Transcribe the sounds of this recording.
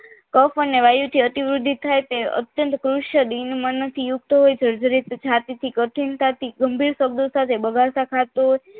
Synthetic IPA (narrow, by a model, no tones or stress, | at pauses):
kəfəneʋajut̪ʰiət̪iʋɾud̪ʱːit̪ʰːajt̪eə̰t̪jənt̪kɾuʃjəd̪inmənət̪ʰijuɡ̚t̪oɦojt͡ʃəɾd͡ʒəɾit̪t͡ʃʰat̪it̪ʰikəʈʰint̪ʰat̪iɡəmbʱiɾsəɡ̚d̪osat̪ʰebəɡaɾsakʰat̪oɦo